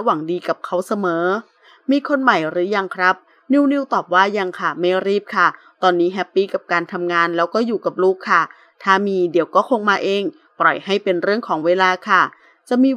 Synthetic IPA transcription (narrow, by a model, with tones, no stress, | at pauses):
wa˨˩˦ŋdiː˧ka˨˩p̚kʰa˦˥wsa˧mɤː˩˦ | miː˧kʰo˧nma˨˩jɾɯː˩˦ja˧ŋkʰɾa˦˥p̚ | ni˧wni˧wt̪ɔː˨˩p̚waː˥˩ja˧ŋkʰa˥˩ma˥˩jɾiː˥˩p̚kʰa˥˩ | t̪ɔː˧nːiː˦˥ɦɛ˦˥pːiː˥˩ka˨˩p̚kaː˧nt̪ʰa˧mŋaː˧nlɛː˦˥wkɔː˥˩juː˨˩ka˨˩p̚luː˥˩kʰːa˥˩ | t̪ʰaː˥˩miː˧di˨˩˦wkɔː˥˩kʰo˧ŋmaː˧ʔeː˧ŋ | pɾɔ˨˩jha˥˩jpe˧nɾɯ˥˩əŋkʰɔː˩˦ŋweː˧laː˧kʰa˥˩ | t͡ɕa˨˩miː˧